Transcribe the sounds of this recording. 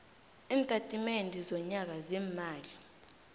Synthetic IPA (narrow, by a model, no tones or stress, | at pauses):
iːntʼatʼimendʱizɔɲak̬azɛːmaːli